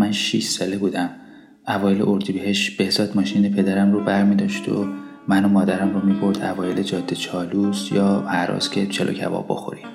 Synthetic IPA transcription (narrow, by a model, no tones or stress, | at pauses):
mænʃḭʃsɒːlebuːd̪æm | ʔævɒːjeleʔoɾd̪ibeɦe̞ʃt̪b̥ehz̥ɒːd̪mɒːʃiːnepʰe̞d̪æɾæmrubæɾmiːd̪ɒːʃt̪o̰ | mænomɒːd̪æɾæmromiːbo̞ɾd̪ævɒːjelʔed͡ʒɒːd̪ːe̞t͡ʃʰɒːlusjɒːhæɾɒ̰ːscʲʰe̞t͡ʃʰelo̰cʰæ̰vɒ̰ːbːo̞̰xo̰ɾi